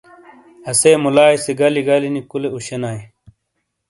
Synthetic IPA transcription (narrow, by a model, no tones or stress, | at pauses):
ɐsejmulaːjseɡɐliɡɐlinikuleuɕenaːj